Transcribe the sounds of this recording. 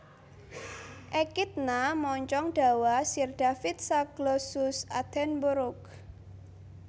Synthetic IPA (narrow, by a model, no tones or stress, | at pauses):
ʔɛkit̪̚namɔɲt͡ʃɔŋɖ̥a̤wasird̥afit̪̚saɡ̥lɔsusad̪̥ɛnbuɾʊk